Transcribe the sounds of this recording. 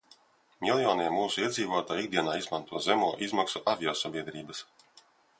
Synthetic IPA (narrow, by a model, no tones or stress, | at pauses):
milˠjɔːniɛmuːsuiɛd̪ziːvuɔt̪aːjiɡ̚d̪iɛnaːizmant̪uɔzɛmuɔʔizmaksuʔavʲjɔːsabʲiɛd̪ɾiːbɐs